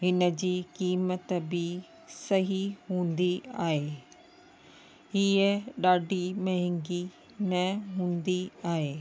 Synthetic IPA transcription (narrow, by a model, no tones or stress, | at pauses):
ɦɪnə̆d͡ʑiːkiːmət̪bɪ | sɐɦiɦũːn̆d̪iaːɦeː | ɦiəɗaːɖʱimɐɦɪ̃ŋɡi | nɐɦũːnd̪iaːɦeː